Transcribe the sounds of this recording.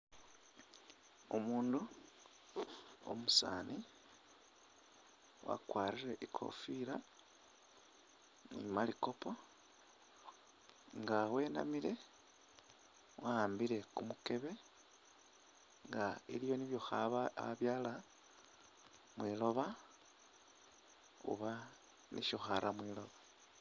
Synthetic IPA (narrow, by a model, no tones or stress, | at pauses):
omuːndu | o̰musaːni | wa̰kwaːɾiɾe̞ʔikʰo̞̰fiɾa | nḭmaliko̞po | ŋɡawe̞ːna̰miɾe̞ | waaːmbiɾe̞kumuke̞βe̞ | ŋɡailijo̞niβjoxaaβjaːla | mwiːlo̞βa | ṵβa | nḭʃoxaɾʔamwiːlo̞βa